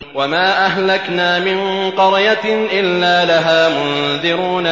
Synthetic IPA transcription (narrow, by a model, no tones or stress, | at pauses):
wamaːʔaɦlaknaːmɪŋqɑɾˤjaʔɪlːaːlaɦaːmʊnðɪɾuːna